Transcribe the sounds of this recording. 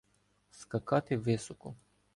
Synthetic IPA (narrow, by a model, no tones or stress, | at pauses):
skakat̪evɛsoko